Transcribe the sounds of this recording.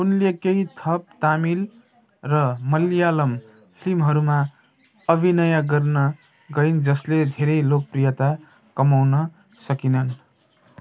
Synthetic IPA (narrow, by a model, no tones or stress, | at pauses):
unlekeit̪ʰʌp̚t̪amil | rʌmʌlijalʌm | pʰimɦʌɾuma | ʌbʱinʌjʌɡʌrnʌ | ɡʌind͡zʌsled̪ʱeɾʌjlok̚prijʌt̪a | kʌmawnʌ | sʌkinʌn